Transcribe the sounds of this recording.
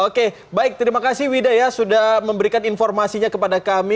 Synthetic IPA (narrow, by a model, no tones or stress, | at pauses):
oke | baɪk̚t̪əɾimakasɪwidajasudahməmbəɾikaninfɔrmasiɲakəpadakami